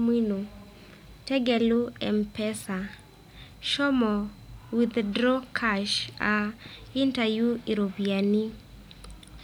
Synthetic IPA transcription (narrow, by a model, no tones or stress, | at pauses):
mwino | tɛɡɛluɛmpɛsa | ʃɔmɔ | wiðdɾɔkʰaʃaintajuiɾobiani